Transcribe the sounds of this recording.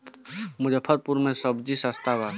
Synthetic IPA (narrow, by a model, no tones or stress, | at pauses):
mʊd͡ʒəpʰːəɾpuɾmẽsəbd͡ʒisast̪aba